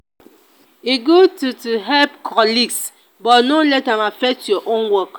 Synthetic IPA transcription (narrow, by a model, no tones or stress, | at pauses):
iɡotutuɦɛlpkʰɔliɡs | bɔnolɛtamafɛk̚tjɔʔõnwɔk